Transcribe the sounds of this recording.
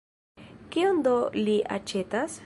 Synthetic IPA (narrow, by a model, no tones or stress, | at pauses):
kiond̪o̞liʔa̰t͡ʃe̞tas